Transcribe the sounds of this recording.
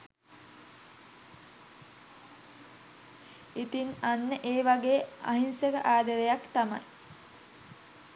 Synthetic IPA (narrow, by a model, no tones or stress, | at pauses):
it̪inanːəʔeːʋaɡeːa̰ɦinsəkəʔaːd̪əɾejakt̪ama̰j